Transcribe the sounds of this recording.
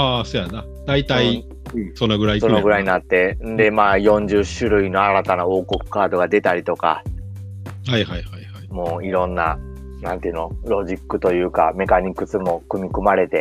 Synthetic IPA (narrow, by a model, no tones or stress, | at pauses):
aːsoːjana | d̪̥ait̪ai | sonːoɡɯ̟ɾaisonoɡɯ̟ɾaiɲinat̪ːẽ̞nd̪e̞maːjõ̞ɲd͡ʑɨɕɨɾɯ̟ino̞aɾat̪anao̞ːko̞kɯ̟̥kaːd̪o̞ɡad̪e̞t̪aɾʲit̪o̞ka̰ | haihajhajhaimo̞ːiɾõ̞nːa̰ | nãnt̪eɯ̟no̞ɾo̞ʑikːɯ̟t̪o̞jɯ̟ːka̰me̞kaɲ̟ikːɯ̟t͡sɨmo̞kɯ̟mʲikɯmaɾe̞t̪e̞